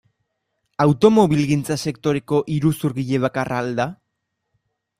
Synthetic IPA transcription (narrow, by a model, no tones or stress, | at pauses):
awt̪o̞mo̞βilɣint͡sase̞kt̪o̞ɾe̞ko̞ʔiɾusuɾɣiʎe̞β̞akaraːld̪a